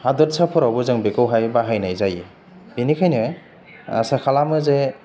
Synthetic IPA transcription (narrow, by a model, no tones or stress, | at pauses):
hadɔtsapʰɔɾawbɯzɯŋbekɯwɦajbaɦajnajzaji | binikʰajnɯ | a̰sakʰalamɯze